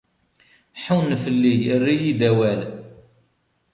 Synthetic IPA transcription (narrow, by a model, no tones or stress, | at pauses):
ħuwnfəlːijrːijid̪æwæl